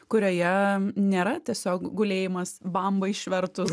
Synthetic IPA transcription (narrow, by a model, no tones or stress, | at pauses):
kʊɾʲoːjɛnʲeːɾɐt̪ʲiɛsʲoːkɡʊlʲeːjɪmɐsbɐmbɐɪʃʲʋʲɛɾt̪ʊs